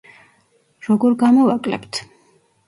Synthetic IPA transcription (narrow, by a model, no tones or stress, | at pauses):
ɾɔɡɔɾɡamɔvakʼlɛ̰pt̪ʰ